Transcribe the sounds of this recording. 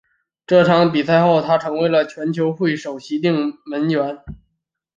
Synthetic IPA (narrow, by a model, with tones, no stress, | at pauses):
ʈ͡ʂɤ˥˩ʈ͡ʂʰɑ˧˥ŋpi˨˩sa˥˧ɪxo˥˩ʊt̪ʰa˥ʈ͡ʂʰɤ˧˥ŋwe˧˥ɪlə˧t͡ɕʰɥɛ˧˥nt͡ɕʰjo˧˥ʊxwe˥˩ɪʂo˨˩ʊɕi˧˥t̪i˥˩ŋmə˧˥nt͡ɕɥɛ˧˥n